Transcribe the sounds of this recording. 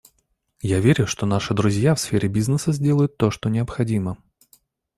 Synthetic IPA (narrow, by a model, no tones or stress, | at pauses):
javʲeɾʲʊʂt̪o̞naʂɨd̪ɾʊzʲjafsfʲeɾʲɪbʲiznəsəzʲdʲe̞lˠəjʊt̪ːo̞ʂt̪onʲɪəpxɐdʲimə